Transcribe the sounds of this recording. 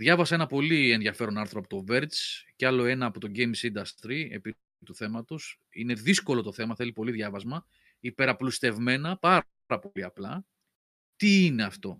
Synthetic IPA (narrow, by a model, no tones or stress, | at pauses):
ðʝɐvɐsɐenɐpo̞lie̞nðʝɐfe̞ɾo̞nɐɾθɾoɐpot̪o̞ve̞ɾt̪sceɐlo̞e̞nɐːpo̞t̪o̞ɟejmsid̪ɐst̪ɾie̞̰pi | t̪uθe̞mɐt̪os | ḭne̞ðisko̞lo̞t̪o̞θe̞mɐθe̞lipo̞liðʝɐvɐzmɐ | ipe̞ɾɐplust̪e̞vme̞nɐpɐ | ɾɐpo̞liɐplɐ | t̪iine̞ɐft̪o̞